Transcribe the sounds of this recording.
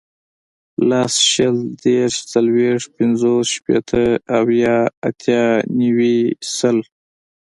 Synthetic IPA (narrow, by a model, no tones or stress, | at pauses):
lasʃəld̪eɾʃt͡salweʂ̚pɪnzosʃpḛt̪ʰəawjɑat̪jɑniwisəl